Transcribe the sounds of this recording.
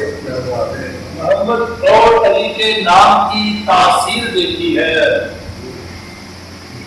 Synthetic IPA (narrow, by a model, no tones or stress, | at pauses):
məɦəmːəd̪d̪oːt̪əɾiːkenaːmkiːt̪aːsiːɾd̪eːt̪iːɦɛː